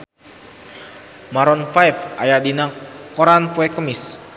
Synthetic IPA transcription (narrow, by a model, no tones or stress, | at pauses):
maɾɔnfajfʔajadinakɔɾanpuekəmɪs